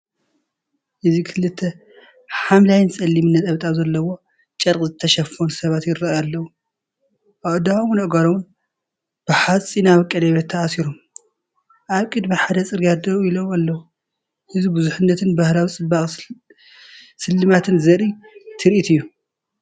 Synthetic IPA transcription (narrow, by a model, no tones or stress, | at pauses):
ʔɨzikʰɨlɨt̪ʰːɐ | ħamlajnsʼɐlːimɨnːɐt̪ʼɐβt̪ʼazɐlːɐwo̞ | t͡ʃʼɐɾkʼzɨt̪ʰɐʃɐfonsɐβat̪jɪrːɐjalːɐwu | awd̪awunɐɡaɾowʊn | b̥ɨħat͡sʼːinaβɨkʼːɐlɐβet̪ʰːɐasiɾom | ʔaβkʼɨd̪miħad̪ɐt͡sʼɨɾjad̪ɐɾujɪlowalːɐwu | ʔɨzibɨzuħɨnːɐt̪ʰɨnbahlawit͡sʼɨbaχʼ | sɨlːɨmat̪ʰɨnzɐɾit̪ʰɨɾʔit̪ʰɨjːu